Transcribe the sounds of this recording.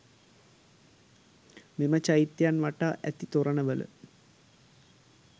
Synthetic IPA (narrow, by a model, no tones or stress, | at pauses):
mimət͡ʃajit̪ːjanʋaʈaːʔæt̪it̪oɾənəʋələ̰